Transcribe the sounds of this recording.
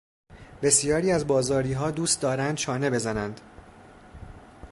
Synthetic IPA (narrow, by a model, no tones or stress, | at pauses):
b̥e̞sijɒːɾiːæzbɒːzɒːɾiːɦɒːd̪uːst̪d̪ɒːɾænd̪̚t͡ʃʰɒːne̞be̞zænænd̪̥